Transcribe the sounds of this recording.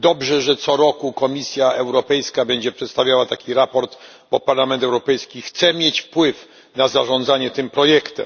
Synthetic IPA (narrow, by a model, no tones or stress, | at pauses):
d̪ɔbʐɛʐɛt̪sɔɾɔkukɔmʲisʲjaɛwɾɔpɛjskabɛɲd͡ʑɛpʂɛt̪st̪avʲjawat̪akʲiɾapɔɾt̪ | bɔpaɾlamɛnt̪ɛwɾɔpɛjskʲixt̪sɛmʲjet͡ɕfpwɘf | nazaʐɔ̃nd̪zaɲɛt̪ɘmpɾɔjɛkt̪ɛ̰m